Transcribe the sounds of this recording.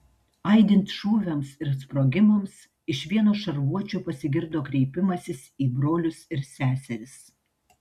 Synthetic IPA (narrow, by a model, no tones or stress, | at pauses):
ɐɪd̪ʲɪnʲt̪ʲʃuːʋʲɛmsɪɾspɾoːɡʲɪmoms | ɪʃʋʲiɛnoːʃɐɾʋuɔt͡ʃʲoːpɐsʲɪɡʲɪɾd̪oːkɾʲɛɪpʲɪmɐsʲɪsiːbɾoːlʲʊsɪɾsʲæːsʲɛɾʲɪs